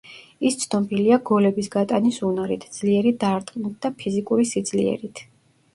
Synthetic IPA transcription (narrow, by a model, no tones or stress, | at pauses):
ist̪sʰnɔbiliaɡɔlɛbisɡat̪ʼanisunaɾḭt̪ʰd̪z̥liɛɾid̪aːɾt̪ʼqʼnit̪̚ʰd̪apʰizikʼuɾisid̪zlḭɛ̰ɾit̪ʰ